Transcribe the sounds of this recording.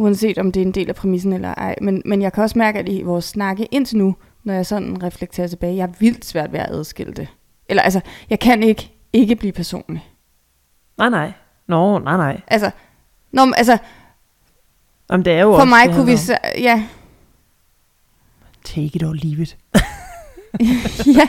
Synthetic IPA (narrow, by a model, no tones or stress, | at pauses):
uɛnse̝̰ːd̥ɒ̽md̥e̝æɐe̝nd̥e̝̰ːlæpʰʁɛmis̬n̩elɐ̰ʔɑ̈ɪ̰menmenjɑ̈ɪkʰæɒ̽smæɐɡ̥əæd̥iʋɒːsːnɑ̈ɡ̥əʔe̝n̰t͡sʰe̝nu | nɒjɑ̈ɪsɒ̽n̰n̩ʁɛfleɡ̥̚t͡sʰe̝ːɐt͡sʰe̝b̥ɛːɪjɑ̈ʋil̰̥sʋæɐ̰d̥ʋæɐʔæð̞ˠsɡ̥e̝l̰əd̥e̝ | ʔelɐʔæls̬ɐjɑ̈ɪkʰæne̝ɡ̥ə | e̝ɡ̥əb̥liːpʰæɐso̝̰ːnli | nɑ̈ɪnɑɪ̰ | nɔnɑ̈ɪnɑ̈ɪ̰ʔælsɐ | nɒʔælsɐ | ʔɑmnd̥eæɐjofɒmɑ̈ɪkʰuʋisjæ | t͡sʰeɡ̥əd̥ɒʊliːʋid̥ˠ | jæ